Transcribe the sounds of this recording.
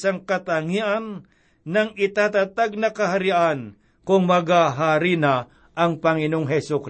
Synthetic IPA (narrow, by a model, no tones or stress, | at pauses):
saŋkɐt̪aŋiʔanː | ɐŋɪt̪at̪at̪aɡ̚nɐkɐɦaɾɪʔan | kʊŋmɐɡaɦaːɾɪna | ʔɐŋpɐŋɪnoŋɦɛsʊk